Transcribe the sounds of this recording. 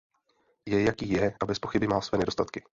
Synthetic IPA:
jɛjakiːjɛʔabɛspo̞xɪbɪmalsvɛːnɛdo̞st̪at̪kɪ̥

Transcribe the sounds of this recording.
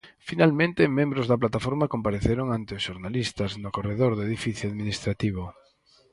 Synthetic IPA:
finalmẽnt̪ɪmẽmbɾʊzðɐplat̪afoɾmakompaɾeθeɾoŋant̪ɪʊsʃoɾnalist̪ɐznʊkoreðoɾðʊeðifiθjoaðminist̪ɾat̪iβ̞ʊ

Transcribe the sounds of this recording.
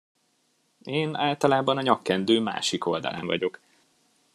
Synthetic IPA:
eːnaːlt̪ɒlaːbɒnɒɲɒkːɛnd̪øːma̰ːʃiko̞ld̪ɒ̰la̰ɱvɒ̰ɟo̞k

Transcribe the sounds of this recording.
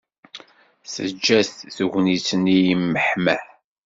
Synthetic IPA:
sə̰d͡ʒːæθθəʝʷnit͡sːənijimːəħmæħ

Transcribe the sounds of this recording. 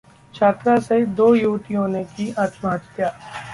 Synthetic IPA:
t͡ʃʰaːt̪ɾased̪oːjuːʋt̪ijõːnekiaːt̪maːd͡ʒt̪jaː

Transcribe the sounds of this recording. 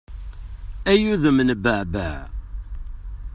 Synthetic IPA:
æjuðəmnbəʕbæ̰ʕ

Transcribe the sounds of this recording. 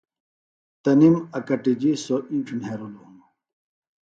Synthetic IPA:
t̪ɐnimɐkɐʈid͡ʑisoʔĩːʈ͡ʂʰnɦeɾuluunu

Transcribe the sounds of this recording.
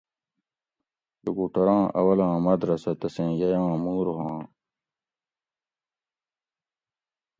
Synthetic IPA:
jukuʈɐɾãːʔɐ̰wɐlãːmɐd̪ɾɐsɐt̪ɐsẽːjɐjãːmuːɾɦãː

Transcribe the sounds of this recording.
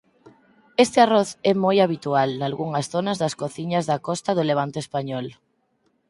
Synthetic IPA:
est̪ɪarɔθɛmojaβit̪ualnalɣuŋɐsθonazðɐskoθiɲazðakɔst̪aðʊleβ̞ant̪oespaɲɔl

